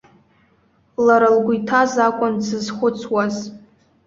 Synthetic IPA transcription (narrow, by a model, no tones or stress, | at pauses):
laɾalɡʷʊjtʰazakʷʼʊnsɨzχʷʊt͡sʰwaz